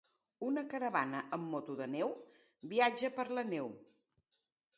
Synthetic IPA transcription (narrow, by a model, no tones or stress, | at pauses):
unəkəɾəβanəʔəmːot̪uðənɛw | biad͡ʒəpəɾlənew